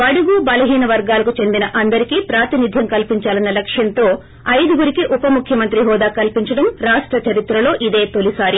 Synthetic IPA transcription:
ɐɽuɡuːbɐlɐɦiːnɐʋɐɾɡaːlɐkut͡ʃe̞nd̪inɐʔɐnd̪ɐɾikiːpɾaːt̪inid̪ʱjɐmkɐlpiɲt͡ʃaːlɐnːɐlɐkʂjɐnt̪o̞ː | ɐjd̪uɡuɾikiʔupɐmukʰjɐmɐnt̪ɾiɦɔːd̪aːkɐlpiɲt͡ʃɐɽɐmɾaːʂʈɾɐt͡ʃɐɾit̪ɾɐlo̞ːʔid̪e̞ːt̪olisaːɾi

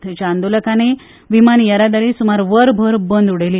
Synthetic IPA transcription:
t̪ʰt͡ɕaːnd̪oləkane | ʋimanjəɾad̪əɾisumaɾʋəɾbʱəɾbənd̪uɽeli

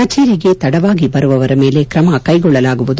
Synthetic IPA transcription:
ɐt͡ʃeːɾiɡe̞t̪ɐɽɐʋaːɡibɐɾuʋɐʋɐɾɐme̞ːle̞kɾɐmɐkɐjɡɔɭːɐlaːɡuʋud̪

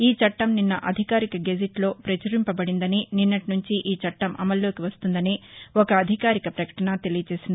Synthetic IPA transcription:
iːt͡ʃɐʈːɐmninːɐʔɐd̪ʱikaːɾikɐɡed͡ʒiʈlo̞ːpɾɐt͡ʃuɾimpɐbɐɽind̪ɐnininːɐʈinuɲt͡ʃiʔiːt͡ʃɐʈːɐmɐ̰mɐlːo̞ːkiʋɐst̪und̪ɐniɔkɐːd̪ʱikaːɾikɐpɾɐkɐ̥ʈɐnɐt̪e̞lijɐt͡ʃe̞ːsind̪i

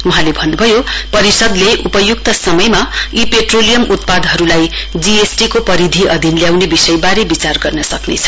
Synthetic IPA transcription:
uɦãlebʱʌnːubʱʌjopʌɾisʌd̪leʔupʌjuk̚t̪ʌsʌmʌjmaipeʈrolijʌmʔut̪̚pad̪ɦʌɾulaj | d͡ziesʈikopʌɾid̪ʱiʔʌd̪ʱinljawnebisʌjbaɾebit͡sarɡʌrnʌsʌknḛt͡sʰʌ̥

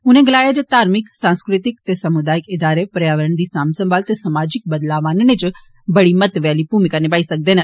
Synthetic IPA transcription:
ʊnẽɡəlaːjad͡ʒet̪aːɾmɪksãːnskɾɪt̪ɪkt̪esɐmud̪aːɪkɪd̪aːɾepɾjaːʋəɾəɳ̃d̪iːsaːmsə̃mbʱaːlt̪esɐmaːd͡ʒɪk̚bəd̪laːʋaːnnet͡ʃ | bɐɽimət̪ʋɛːlipumikanebaːisɐk̚d̪eːnə

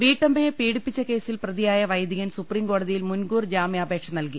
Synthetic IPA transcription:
ʋiːʈːɐmbɐjepiːɽipːit͡ɕːɐke̞ːsilprɐðijaːjɐʋɐjd̪iɣɐnsupriːmko̞ːɽɐðijilmunɡuːrd͡ʑaːmjɐːbʱe̞ːkʂɐnɐlki

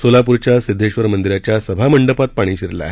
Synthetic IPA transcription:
solapuɾt͡ɕjasid̪ʱːeɕʋəɾmənd̪iɾat͡ɕjasəbʱaməɳɖəpat̪̚paɽ̃iːɕiɾla̰

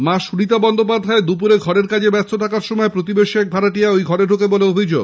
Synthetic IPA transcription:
maʃuɽit̪abɔnd̪op̬ad̪ʱːaed̪up̬uɾeɡʱɔɾeɾkad͡ʑʰebɛɾst̪ʰoʈʰakaɾʃɔmɔepɾot̪ibeʃiɛk̚bʱaɾaʈiaojɡʱɔɾeɾʱokeboleobʱid͡ʑoɡ

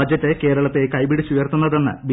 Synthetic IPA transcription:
ɐd͡ʑɐt̪ːe̞ke̞ːɾɐɭɐt̪ːekɐjbiɽisijɐrt̪unːɐðe̞nːɨ̰bi

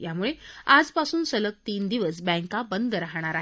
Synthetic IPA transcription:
jamuɭead͡zpasuːnsələk̚t̪iːnd̪iʋəsbɛ̃ŋkabənd̪ɾaɦɽ̃aɾaɦe

